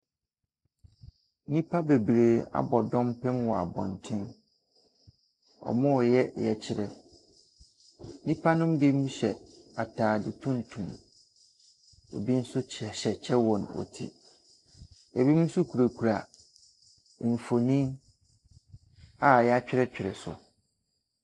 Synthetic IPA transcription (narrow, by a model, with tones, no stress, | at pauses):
nĩ˦pʰa˦be˨bɾe˨a̰˨bɔ˨dɔ̃˦mpʰɛ̃˦mwɔ˨a̰˨bɔ̰̃˨n˨tʰɪ̃˦n | ɔ̰˨mʊ̃˦˨jɛ˦jɛ˨t͡ɕʰɪ˨ɾɛ˨˦ | nĩ˦pʰa˦nʊ̃˦mbi˦mũ˦ɕɛ˨a˨tʰaː˨dɪ˦tʰũ˦n̩˨tʰũ˨m | o̰˨bi˦n̩˦sʊ˦t͡ɕʰɕɛ˨t͡ɕʰɛ˦wɔ̃˨nɔ̰˨tʰḭ˦ | jɛ˨bi˦m˦n̩˦sʊ˦kʰu˨ɾa˨kʰu˨ɾa˨ | ɱ̩˨fo˨nĩ˦ | a˨jɛ˦a˦t͡ɕᶣɪ˦ɾɛ˦t͡ɕᶣɪ˨ɾɛ̰˨sʊ̰˨